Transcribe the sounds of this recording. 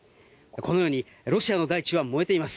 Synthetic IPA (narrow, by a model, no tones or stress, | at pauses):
ko̞no̞jo̞ːɲ̟i | ɾo̞ɕiano̞d̪ait͡ɕiβamo̞e̞t̪e̞imasɨ̥